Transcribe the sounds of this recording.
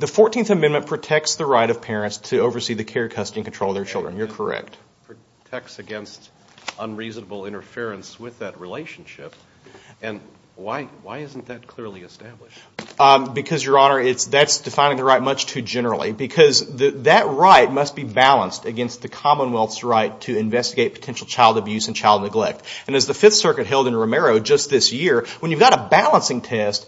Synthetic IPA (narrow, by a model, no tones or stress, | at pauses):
ðɨfɔɹtʰĩnθɨmɛ̃nmɨ̃npʰɹ̥ɨtʰɛk̚tsðɨɹaɪɾʌv̥pʰɛɹɨ̃ntstʰɨoʊvə˞siðɨkʰɛɹkʰʌstɨ̃nkn̩tɹ̥oʊlˠʌvðə˞t͡ʃʰɪlˠdɹə̰̃njə˞kʰə˞ɛ̰k̚t̚ | pʰɹ̥ɨ | tʰɛk̚tsɨɡɛ̃nst | ə̃nɹiznəbl̩ˠɪ̃ɾ̃ə˞fɪɹɨ̃nswɪðɨt̚ɹileɪʃn̩ʃɪp̚ | ɨ̃n | waɪwa̰ɪɪzn̩ðɨt̚kʰl̥ɪɹliɨstæblɪʃ | bɨkʰʌzjə˞ɑnə˞ɪtsðætsd̥ɨfãɪ̃ñɪ̃ŋðəɹaɪt̚mʌt͡ʃtʰʉd͡ʒɛnə˞l̩ˠḭbɨkʰʌzðɨðɨt̚ɹaɪt̚mʌst̚b̥ibælˠə̰̃nstɨɡɛ̃nst̪̚ðɨkʰɑmə̃nwɛlˠθsɹaɪtʰɨɨ̃ɱvɛstɨɡeɪt̚pʰə̥tʰɛ̃nʃl̩ˠt͡ʃʰaɪlˠdɨbjʉz̃n̩t͡ʃʰaɪlˠdⁿnɨɡlɛk̚tɨ̃nɨzðɨfɪθsɜ˞kɨt̚ɦɛlˠdɨ̃nɹɨmɛɹoʊd͡ʒʌst̪̚ðɪsjɪɹwə̃njʉvɡɑɾəbælˠə̃nsɪ̃ŋtʰɛst̚